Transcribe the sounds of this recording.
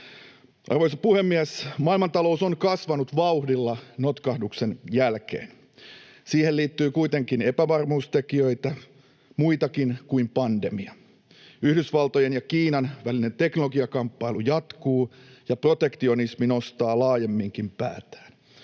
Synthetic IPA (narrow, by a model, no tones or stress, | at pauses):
ʔɑ̰rʋojsɑpuhe̞mːiæsmɑːilmɑnt̪ɑlo̞usonkɑsʋɑnut̪ʋɑuhdilːɑnot̪kɑhdukse̞njælkḛːn | siːhelliːt̪ːyːkuit̪e̞ŋkine̞pæʋɑrmuːst̪e̞kiø̞it̪æ | muit̪ɑkinkuimpɑnde̞miɑ | yhdysʋɑlt̪ojenjɑkiːnɑnʋæline̞nt̪e̞knolo̞ɡiɑkɑmpːɑilujɑt̪kuːjɑpro̞t̪e̞kt̪io̞nismino̞st̪ɑːlɑːjemːiŋkimpæ̰ːt̪æ̥ːn